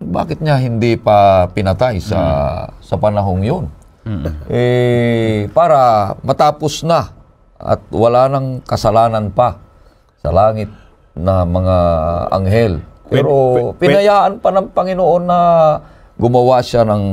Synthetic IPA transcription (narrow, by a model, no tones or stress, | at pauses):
ba̰ːkɪt̪̚ɲaɦɪnd̪ipapɪnɐt̪ajsɐ̰sɐpɐnɐɦoŋjon | ʔɛ | paːɾamɐt̪aːposna | ʔɐ̰t̪̚wɐlaːnɐŋkɐsɐlaːnanpa | sɐ̰laːŋɪt̪̚ | nɐmɐŋaɐ̰ŋɦɛlpɛːɾopɪnɐjaːʔanpanɐŋpɐŋɪnoʔonːɐ | ɡʊmɐwaʃanɐŋ